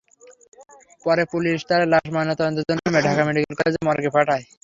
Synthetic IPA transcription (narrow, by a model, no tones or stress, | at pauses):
pɔɾepuliʃt̪aɾlaʃmanat̪ɔd̪ont̪od͡ʑonːmeɖʱakameɖikelkɔled͡ʑemɔɾkepaʈaj